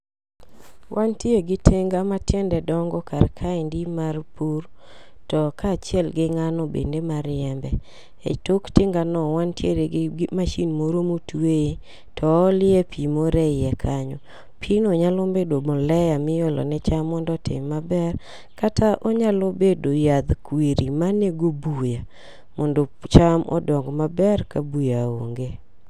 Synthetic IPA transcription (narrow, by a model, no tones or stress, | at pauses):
wʔantjeɡɪtʰeŋɡamatjɛndɛdɔŋɡɔkaɾkʰaɪndimarpuɾ | tɔkat͡ʃɪɛlɡɪŋanɔbḛndemaɾɪɛmbɛ | ḛtokteŋɡanɔwantjeɾeɡmaʃinmoɾomotwee | tʰɔːlɪɛpʰimoɾɛjɛkʰaɲɔ | pʰinoɲalɔmbedomɔlɛjamɪjɔlɔ̰nɛt͡ʃamːɔndɔtɪ̰mːabɛr | katʰaʔɔɲalobedojad̪kwiɾimaneɡobuja | mɔndot͡ʃamɔ̰dɔŋɡmabɛrkabujao̰ŋɡe